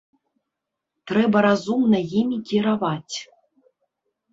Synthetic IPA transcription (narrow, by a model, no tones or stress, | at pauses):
t̪ɾɛbɐɾazumnɐjimʲikʲiɾavat͡sʲ